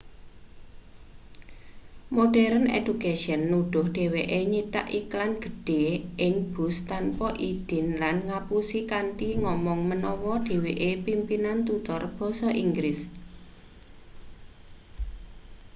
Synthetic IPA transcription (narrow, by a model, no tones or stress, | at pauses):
moɖ̥ɛɾənḛd̥ukaʃiənːuɖ̥ʊhɖ̥e̤weʔeɲit̪a̰ʔiklanɡ̥ə̤ɖ̥e̤ʔɪŋb̥ʊ̤st̪anpɔʔid̥ɪ̤nlanŋapusikanʈ̪iŋɔmɔŋmənɔwɔɖ̥e̤weʔepimpinant̪ut̪ɔrb̥ɔ̤sɔʔiŋɡɾɪs